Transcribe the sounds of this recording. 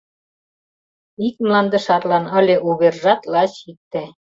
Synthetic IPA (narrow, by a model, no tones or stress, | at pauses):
ik̚mlɑnd̪ə̆ʃɑt̪lɑnə̆lʲeʔuβerʒɑt̪lɑt͡ɕik̚t̪æ